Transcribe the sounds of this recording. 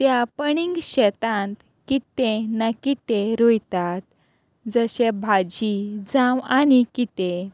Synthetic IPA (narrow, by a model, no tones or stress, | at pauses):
t̪japəɳiŋɡɕɛt̪ãnt̪ | kit̪ẽnakit̪eɾojt̪at̪̚ | d͡zəɕebʱad͡ʑid͡zãwanikit̪e